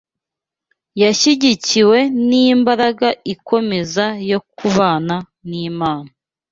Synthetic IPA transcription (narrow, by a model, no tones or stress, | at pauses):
jaʃiɟiciwe̞nimbaɾaɡaikʰo̞me̞zajo̞k̚uβaːna | niːmaːna